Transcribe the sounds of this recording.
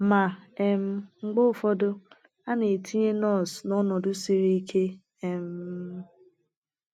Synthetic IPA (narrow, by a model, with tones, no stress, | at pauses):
ma˨e˦˨m̩˦ŋ͡m̩˦ɡ͡bʊ˦˨fɔ˦dʊ˦ | a˦ne˨ti˦ɲe˦nɔ˦˨snɔ˦nɔ˨dʊ˦si˨ɾi˦i˦kʰe˦ | e˨m̩˦